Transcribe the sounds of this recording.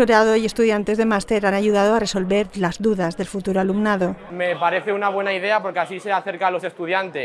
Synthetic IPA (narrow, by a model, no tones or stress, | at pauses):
oɾað̞oie̞st̪uðjant̪e̞zðe̞mast̪e̞ɾanaʝuð̞að̞oare̞so̞lβe̞ɾlazðuðazðe̞lfut̪uɾoalumnað̞omepaɾe̞θe̞unaβwe̞naið̞e̞apo̞ɾkeasise̞aθeɾkalo̞se̞st̪uðjant̪es